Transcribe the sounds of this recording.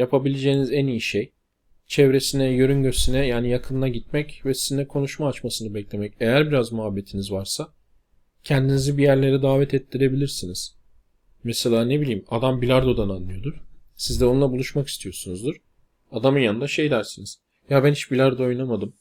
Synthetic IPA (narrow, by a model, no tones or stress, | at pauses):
japʰabilʲed͡ʒeːnizænijiʃej | t͡ʃʰɛvɾe̞sinɛjøɾynɟøsinɛjaːnijakʰɯnlˠaɟit̪̚mɛcvɛsizinɛkʰo̞nuʃmaːt͡ʃmasɯnɯbɛclʲe̞mɛcejæɾbiɾazmuɦabːe̞t̪ʰinizvaɾsa | cʰɛnd̪inizibijæɾlʲe̞ɾid̪aːvɛt̪ʰɛt̪ːiɾe̞bilʲiɾsiniz̥ | mɛselʲaːne̞bilʲiːmad̪ambilʲaɾd̪o̞d̪ananːɯjo̞d̪uɾsizd̪ɛonulˠabulˠuʃmaki̥st̪ʰijo̞sunuzd̪ɯɾ̥ | ad̪amɯnjannd̪aʃe̞jd̪æɾsiniz̥ | jabæniʃbilʲaɾd̪aojnamad̪ɯm